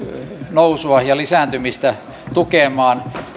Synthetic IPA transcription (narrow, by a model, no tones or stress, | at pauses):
nousuɑjɑlisæˑnt̪ymist̪æ | t̪ukemɑːn